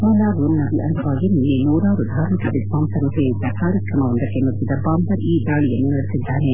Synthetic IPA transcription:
mɐːlaːʋɾunːɐbiʔɐ̰nd̪ʱɐʋaːɡiminːenuːɾaːʋɐɾud̪ʱaːɾmikɐʋisbaːmsɐɾut̪eːid̪ːɐkaːɾjɐkɾɐmɐond̪ɐkːemɐɾsid̪ɐbaːmbɐɾiːd̪aːɭijɐnːunɐɾisid̪ʱːaːne

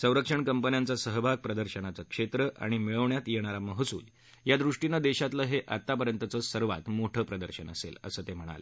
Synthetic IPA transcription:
sə̃w̃ɾəkʂəɳkəmpənjant͡sasəɦəbʱaɡ̚pɾəd̪əɾɕənat͡səkʂet̪ɾəʔa̰ɽ̃imiɭəʋɳjat̪jeɽ̃aɾaməɦəsṵːl | jad̪ɾuʂʈinad̪eɕat̪ləɦeʔa̰t̪ːapəɾjənt̪ət͡səːsəɾʋa̰t̪moʈʰəːpɾəd̪əɾɕənə̰sḛlə̰səːt̪em̤əɽ̃a̰lḛ

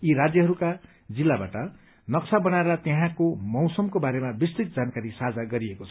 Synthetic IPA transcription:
jiɾad͡zjʌɦʌɾuka | d͡zilːabaʈʌ | nʌksabʌnaeɾʌt̪eɦãkomʌwsʌmkobaɾemabistit̪̚d͡zankaɾisad͡zaɡʌɾiekot͡sʰʌ̥

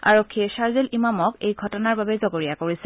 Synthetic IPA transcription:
a̰ɹokʰːiesaɹzelʔimamɔkejɡʱɔtɔnaɹbabɛzɔɡoɹijakoɹisɛ

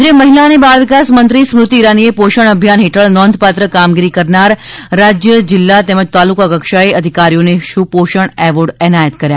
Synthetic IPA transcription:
ɾeməɦilanebaɾʋikasmənt̪ɾismɾut̪iːɾaniepoʃəɳ̃əbʱjanɦeʈʰəɭnɔ̃nd̪ʱpat̪ɾəkamɡiɾikəɾnaɾːad͡ʒjəd͡ʒɪlːat̪ɛməd͡ʒt̪alukakəkʃaeəd̪ʱikaɾijoneʃũpoʃəɳ̃ɛʋəɾɖɛnajət̪kəɾja

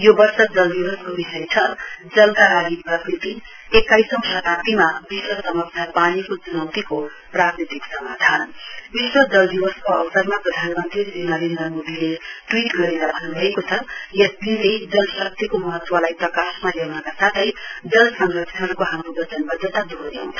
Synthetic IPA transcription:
jobʌrsʌd͡zʌld̪iwʌskobisʌjt͡sʰʌd͡zʌlkalaɡiprʌkrit̪i | ekajsʌmsʌkat̪imabiswʌsʌmʌksʰjapanikot͡sunʌwt̪iko | prakrit̪iksʌmad̪ʱanbiswʌd͡zʌld̪ibʌskoʌ̰bʌsʌrmaprʌd̪ʱanmʌnt̪risinʌɾend̪rʌrmod̪ileʈwiʈɡʌɾed̪abʱʌnubʱʌekot͡sʰʌjʌsd̪iled͡zʌlsʌk̚t̪ikomʌɦʌt̪ːwalajt̪ʌkasmalewnʌkasat̪ʰʌjd͡zʌlsʌŋɡʌksʌɾkoɦamɾobʌt͡sʌnbʌd͡zʱʌt̪ad̪ʱod̪ẽ

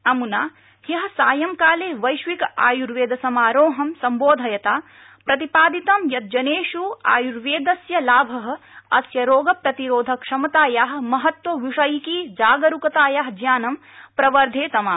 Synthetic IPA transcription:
ɐmunaː | hjɐɦɐ̆saːjɐmkaːleːʋɐjʃʋikɐaːjuɾʋeːd̪ʱɐsɐmaːɾoːɦɐmsɐmboːd̪ʱɐjɐt̪aː | pɾɐt̪ipaːd̪it̪ɐmjɐt̪̚d͡ʒɐneːʂua̰ːjuɾʋeːd̪ɐsjɐlaːbʱɐɦɐ̆ɐsjɐɾoːɡɐpɾɐt̪iɾoːd̪ʱɐkʂɐmɐt̪aːjaːɦɐ̆mɐɦɐt̪wɐʋiʂɐjkiːd͡ʒaːɡɐɾukɐt̪aːjaɦd͡ʒjaːnɐm | pɾɐʋɐɾd̪ʱeːt̪ɐmaː

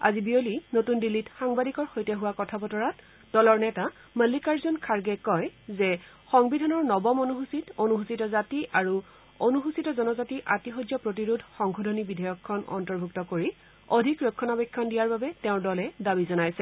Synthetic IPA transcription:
a̰zibiolinotundilːitxaŋbadikɔɹxojtɛɦuwakɔtʰabɔtɔɹat | dɔlɔɹnɛta | məlːikaɹzonkʰaɹɡɛkɔjzɛ | xɔŋbidʱanɔɹnɔbɔmonuɦusitonuxɦusitɔzatiʔaɹu | onuɦusitɔzɔnɔzatiʔatixɔd͡ʒjɔpɹot̬iɹudʱxɔŋxodʱonibidʱɔjɔkʰːɔnɔ̰ntɔɹbʱuk̚tɔkoɹi | odʱikɹokʰːɔnabɛkʰːɔndijaɹbabɛtɛʊ̃ɹdɔlɛdabizɔnajsɛ

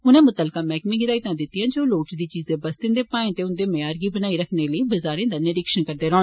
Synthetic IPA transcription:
ʊnẽːmʊt̪əlkaːmɛːkmĩːɡɪd̪aːit̪ãːd̪ɪt̪ːɪjãːd͡ʒoːloːʈsd̪iːt͡ʃiːzẽːbəst̪ɪnd̪eːpãːẽːt̪eːʊnd̪eːməjaːɾɡiːbənaːiːɾəkʰneːləiːbəzaːɾẽːd̪aːnɪɾɪkʃənkəɾd̪eːɾɔ̃ː

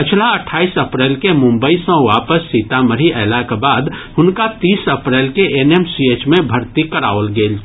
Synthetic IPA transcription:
pɪt͡ʃʰlaəʈʰaːisəpɾɛːlkemʊ̃mbəisɔ̃ʋaːpəsːiːt̪aməɾiʔɛːlakebaːd̪ɦʊnkat̪iːsəpɾɛːlkeʔeneːmsieːt͡ʃmẽbʱəɾt̪ikəɾa̰ːoəlɡeːl

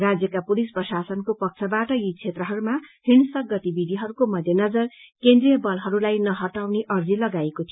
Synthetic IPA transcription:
rad͡zjʌkapulisprʌsasʌnkopʌk̚t͡sʰʌbaʈʌjit͡sʰet̪rʌɦʌɾumahiɳsʌk̚ɡʌt̪ibid̪ʱiɦʌɾukomʌd̪ʱjenʌd͡zʌrkend̪rijʌbʌlɦʌɾulajnʌɦʌʈawneʔʌrd͡zilʌɡaekot̪ʰijo

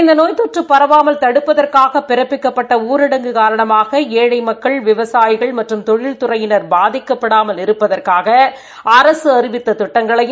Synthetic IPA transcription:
ɪnd̪ɐnoːjt̪ɔʈrɯpːɐɾɐʋaːmɐlt̪ɐɽɯpːɐðɐrkaːɣɐpːɪɾɐpːɪkːɐpːɐʈːɐuːɾɪɽɐŋɡɯkaːɾɐɳɐmaːɣɐeːɻɐɪmɐkːɐɭʋɪʋɐsaːjɪɣɐɭmɐʈrɯmt̪ɔɻɪlt̪ʊrɐjɪnɐɾbaːðɪkːɐpːɐɽaːmɐlɪɾɯpːɐðɐrkaːɣɐ | ɐɾɐsɯɐɾɪʋɪt̪ːɐt̪ʊʈːɐŋɡɐɭɐj

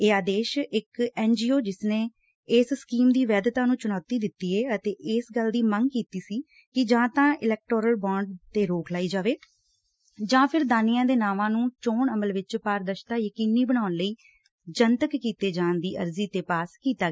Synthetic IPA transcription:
eːaːd̪eːʃɪkɛːnd͡ʒiːoːd͡ʒɪsneː | ɪsskiːmd̪iːʋɛːd̪t̪aːnũːt͡ʃʊnaːt̪iːd̪ɪt̪ːiːeːət̪eːʔɪsɡəld̪iːməŋɡkiːt̪iːsiː | kɪd͡ʒãːt̪ãːʔɪlɛːk̚ʈoːɾəlbãːɳɖt̪eːɾoːkʰlaːiːd͡ʒaːʋeː | d͡ʒãːpʰɪɾd̪aːnijãːd̪eːnaːʋãːnũːt͡ʃoːɳəməlʋɪt͡ʃpaːɾd̪əʃt̪aːjəkiːniːbəɽ̃aːʊnləiː | d͡ʒənt̪əkːiːt̪eːd͡ʒãːnd̪iːʔə̰ɾziːt̪eːpaːskiːt̪aː

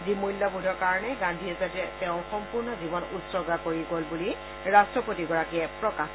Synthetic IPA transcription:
zimujlːabudʱɔɹkaɹɔnɛɡãndʱiɛzatɛtɛʊ̃xɔmpuɹnɔzibɔnutsɔɡakoɹiɡolbuli | ɹastɹɔpotiɡɔɹakiɛpɹɔka

